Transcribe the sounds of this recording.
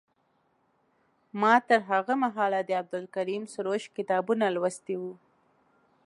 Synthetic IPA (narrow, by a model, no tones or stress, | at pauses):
mɑt̪əɾɦaɣamaɦɑlad̪əab̚d̪ʊlkaɾimsʊɾoʃkɪt̪ɑbunalwəst̪iwu